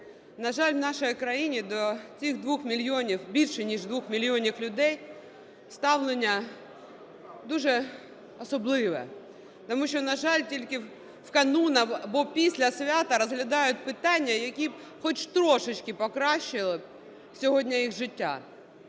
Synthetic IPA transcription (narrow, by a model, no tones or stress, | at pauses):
nɐʒɑlʲwnɑʃɔjikɾɐjinʲid̪ɔt͡sʲixd̪ʋuxmʲilʲjɔnʲiwbʲilʲʃɛnʲiʒd̪ʋuxmʲilʲiɔnʲiwlʲʊd̪ɛj | st̪ɑwlˠenʲːɐ | d̪uʒɛ | ɔsɔblˠɪʋɛ̰ | t̪ɔmuʃʲt͡ʃɔnɐʒɑlʲtʲilʲkɪ | wkɐnunɐbɔpʲisʲlʲɐsʲʋʲat̪ɐɾɔzɦlʲɐd̪ɑjʊt̚ʲpɪt̪ɑnʲːɐjɐkʲib | xɔt͡ʃt̪ɾɔʃɪt͡ʃkɪpɔkɾɑʃɪlˠɪ | sʲɔɦɔdʲnʲɐjixʒɪtʲːa̰